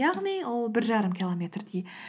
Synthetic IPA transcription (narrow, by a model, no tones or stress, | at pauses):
jɑʁniwolˠbɪɾʒɑɾəmkʲʰilˠomʲe̞t̪rd̪i